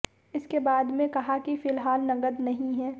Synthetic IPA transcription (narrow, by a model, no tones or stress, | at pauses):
ɪskebaːd̪mẽkɐɦakifɪlɦaːlnɐɡəd̪nɐɦĩɦɛː